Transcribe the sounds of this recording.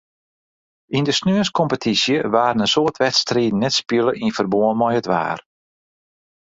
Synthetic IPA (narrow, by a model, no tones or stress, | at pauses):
indəsnøəskɔmpətʰisjəʋaːɾənənsoətʰʋɛtstriːdn̩ːɛtspjələʔinfərboənmɔjətʋa̰ːr